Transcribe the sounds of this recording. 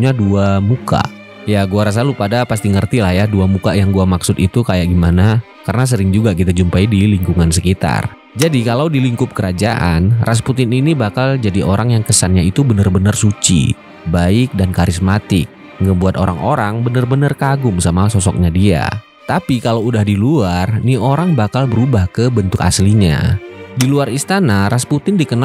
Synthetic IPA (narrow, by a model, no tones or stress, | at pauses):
ɲaduamuka̰ | jaɡuaɾas̬alupadapast̪iŋərt̪ilahjaduamukajaŋɡuamaksʊt̪it̪ukajaʔɡimana | karənas̬əɾɪŋd͡ʒuɡakit̪ad͡ʒumpaidiliŋkuŋansəkit̪a̰r | d͡ʒadikalawdiliŋkʊp̚kəɾad͡ʒaʔa̰nrʔas̬put̪ɪninibakald͡ʒadiʔoɾʔaŋjaŋkəsanɲait̪ubənərbənərsut͡ʃḭ | baɪk̚dankaɾɪsmat̪ɪ̰k̚ | ŋɡəbuat̪oɾaŋʔoɾaŋbənərbənərkaɡʊŋsamasɔsɔk̚ɲadia̰ | t̪apikalawudahdiluarnioɾaŋbakalbəɾubahkəbənt̪ʊka̰sliɲa̰diluarist̪anaɾasput̪ɪndikən